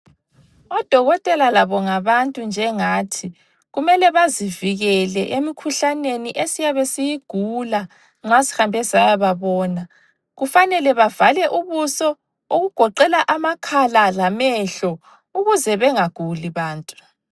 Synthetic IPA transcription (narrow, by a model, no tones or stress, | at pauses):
ɔd̥ʱɔɣɔtʼɛlalaβɔŋaβantʼund͡ʒʱɛŋaːtʰi | ɣumɛlɛβaziviɣɛlɛʔemikʰuɬaneniʔesijaβesijiɡ̥ʱula | ŋ͡ǁasi̥hambʱɛsajaβaβɔːna | ɣufanɛlɛβavalɛʔuβusɔ | oɣuɡ̥ʱɔǃɛlaʔamakʰalalamɛɬɔ | uɣuzɛβɛŋaɡ̥ʱuliβaːntʼu̥